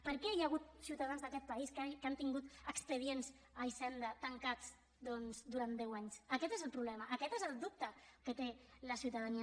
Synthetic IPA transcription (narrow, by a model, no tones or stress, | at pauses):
pəɾkɛjaɣ̞ut̪siuwt̪aðanzðəkɛt̪̚paiskkant̪iŋɡut̪əkspəð̞ienz | aisɛnd̪ət̪əŋkat͡s | d̪ɔnzd̪uɾand̪ɛwaɲsəkɛt̪ezəlˠpɾuβlɛməʔːkɛt̪ezəlˠd̪up̚t̪əkət̪eləsiuwt̪aðani